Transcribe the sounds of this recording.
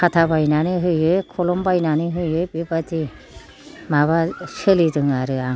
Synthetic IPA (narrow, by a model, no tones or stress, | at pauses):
kʰat̪ʰabajnanɯɦɯjɯkʰɔlɔmbajnanɯɦɯjɯjbipat̪ʰi | maβaselidɯŋaɾɯaŋ